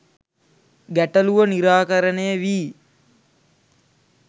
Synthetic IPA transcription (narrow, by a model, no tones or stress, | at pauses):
ɡæʈɐluʋəniɾaːkɐɾənejəʋiː